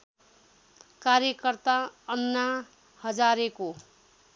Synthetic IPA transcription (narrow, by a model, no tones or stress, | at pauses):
kaɾjʌkʌrt̪aʌnːa | hʌd͡zaɾeko